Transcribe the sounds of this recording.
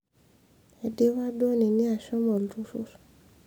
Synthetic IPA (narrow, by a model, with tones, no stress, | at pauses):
ɛ˧de˦wa˦do˦˨nĩ˨nĩ˦a˨ʃɔ˦mɔ̃˨lɾu˦ɾu˦ɾ